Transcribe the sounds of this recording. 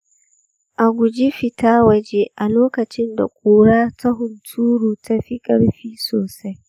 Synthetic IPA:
ʔa˨ɡʷʊ˨d͡ʒi˦ɸɪ˨tʰaː˦wɐ˨d͡ʒeː˦ʔa˨loː˦kɐ˨t͡ʃɪ˦nda̰˨kʷʼoː˨ɽaː˦tʰa˦ɦʊ˨ntʰuː˦ɽuː˨tʰa˦ɸi˦kʼɐ˦ɽɸiː˦soː˨sa˦j

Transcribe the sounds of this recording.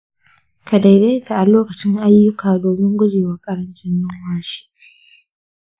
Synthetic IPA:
ka˨da˨jda˦jka˨ʔa˨loː˦kɐ˨t͡ʃɪ˦ŋʔa˦jːʊ˦kʰaː˨doː˨bɪ˦ŋɡʷʊ˦d͡ʒeː˨wa˨kʼɐ˦ɽɐ˦nt͡ʃɪ˦nːʊ˦ŋwaː˦ʃi̥˦

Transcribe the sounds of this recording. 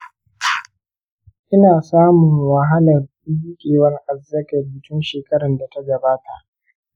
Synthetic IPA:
ʔɪ˦naː˨saː˦mʊ˨ŋwɐ˨ɦa˦lɐ˨rɗi˦kʲʼeː˨wɐ˦ŋʔa˨zːɐ˦kɐ˨bɪ˨tʊ˦nʃeː˨kɐ˦ɾɐ˨nda˨ta˦ɡɐ˨baː˦ta˨ʔ

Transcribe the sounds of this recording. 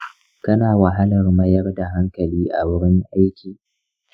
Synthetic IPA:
kɐ˦naː˨wa˨ɦa˦lɐ˨rmɐ˦jɐ˦rda˨ɦa˦ŋkɐ˨liː˦ʔa̰˨wɪ˦ɽɪ˦ŋʔa˦jkʲiː˨

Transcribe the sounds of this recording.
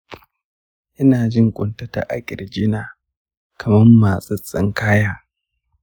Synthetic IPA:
ʔɪ˦naː˨d͡ʒɪ˦ŋkʷʼʊ˨ntɐ˦ta̰˨ʔa˦kʲʼɪ˨rd͡ʒɪ˦naː˨ | kʰɐ˨mɐ˦mːaː˨sʼɐ˦t͡sʼɪ˦ŋkaː˦jaː˦

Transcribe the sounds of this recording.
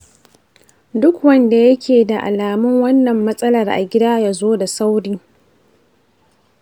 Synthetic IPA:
dʊ˦kwɐ˦nda˨jɐ˦kʲʰeː˨da˨ʔa̰˨laː˨mʊ˦ŋwɐ˦nːɐ˨mːɐ˦sʼɐ˦lɐ˨rʔa̰˨ɡʲɪ˦daː˦jaː˦zoː˦da˨sa˦wɽiː˦

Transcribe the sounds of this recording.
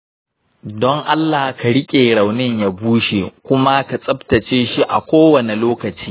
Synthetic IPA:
dɔ˦ŋʔa˦lːa˨hka˨ɽɪ˦kʲʼeː˨ɽa˨wnɪ˦ɲja˦˨buː˦ʃe˨kʷʊ˦ma˦ka˨sʼɐ˦btɐ˨t͡ʃeː˦ʃi˦ʔa̰˨kʷoː˦wɐ˨ne˨loː˦kɐ˨t͡ʃi̥ː˦

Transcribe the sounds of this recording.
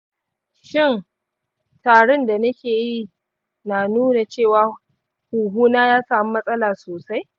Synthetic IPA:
ʃɪ˦˨n | taː˨ɽʊ˦nda˨nɐ˦kʲʰeː˨ji˦˨ | naː˨nuː˦na˨t͡ʃeː˦˨waː˨ | huː˨ɦuː˦naː˦jaː˦saː˨mi˦mɐ˦sʼɐ˦laː˨soː˨sa˦j

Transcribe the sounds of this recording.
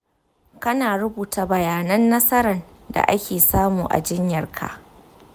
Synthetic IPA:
kɐ˦naː˨ɾʊ˦buː˨ta˨bɐ˨jaː˨nɐ˦nːɐ˦sɐ˦ɾɐ˨n | da̰˨ʔa˦kʲeː˨saː˦muː˨ʔa̰˨d͡ʒɪ˦ɲjɐ˨rkʰa̰˨ʔ

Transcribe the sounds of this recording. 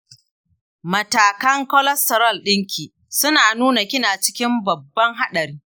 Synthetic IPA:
mɐ˨taː˨kɐ˦ŋkɔ˦lɐ˦stɐ˨ɾɐ˦˨lɗɪ˦ŋkʲʰiː˨ | sʊ˦naː˨nuː˦na˨kʲɪ˦naː˨t͡ʃɪ̥˦kʲɪ˦mbɐ˨bːɐ˦ŋɦa˦ɗɐ˨ɾiː˦

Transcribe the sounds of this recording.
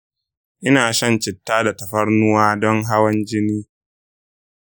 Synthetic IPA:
ʔɪ˦naː˨ʃɐ˦˨nt͡ʃɪ˨tːaː˦da˨tɐ˨ɸɐ˦ɽnʊ˦waː˦dɔ˦ŋɦa˦wɐ˦nd͡ʒɪ˦niː˦

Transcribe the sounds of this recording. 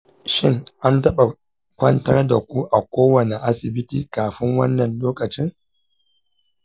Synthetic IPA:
ʃɪ˦ŋʔa˦ntɐ˦ɓa˨ | kʷɐ˦ntɐ˦rda˨kʷu˦ʔa˨kʷoː˦wɐ˨ne˨ʔa˦sɪ˨bɪ˦tiː˨kaː˨ɸɪ˦ŋwɐ˦nːɐ˨nloː˦kɐ˨t͡ʃɪ˦ŋ

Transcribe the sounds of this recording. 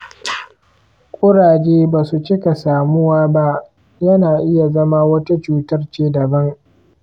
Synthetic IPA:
kʷʼʊ˦ɽaː˨d͡ʒeː˦baː˨su˨t͡ʃɪ˦ka˨saː˨mʊ˦waː˦ba˦ʔ | jɐ˦naː˨ʔɪ˦ja˨zɐ˦maː˦wɐ˦ta˦t͡ʃuː˦tɐ˦rt͡ʃeː˦dɐ˨bɐ˦ŋ

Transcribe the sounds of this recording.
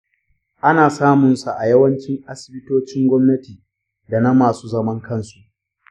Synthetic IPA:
ʔa˦naː˨saː˦mʊ˨nsu˨ʔa˨jɐ˦wɐ˦nt͡ʃɪ˦ŋʔa˦sɪ̥˨bɪ˦toː˦t͡ʃɪ˦ŋɡʷɔ˦mnɐ˦tiː˨ | da˨na˦maː˨suː˦zɐ˦mɐ˦ŋkʰɐ˦nsu˨ʔ

